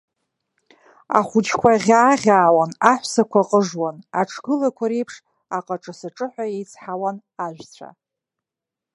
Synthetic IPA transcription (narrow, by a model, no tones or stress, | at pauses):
a̰χʷʊt͡ʃʰkʷʰaʁʲaːʁʲaːwanaħʷsakʷʰaqʼəʐwanaʈ͡ʂʰɡ̥ɨlakʷʰaɾe̞jpʰʂ | aqʼaʈ͡ʂʼɨsaʈ͡ʂʼɨħʷaejt͡sʰħawan | aʒʷᶣt͡sʷʰa̰